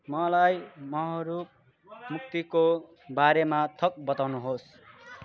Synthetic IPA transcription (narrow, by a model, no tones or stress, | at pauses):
mʌlajmʌɦʌɾup | muk̚t̪iko | baɾemat̪ʰʌk̚bʌt̪awnuɦos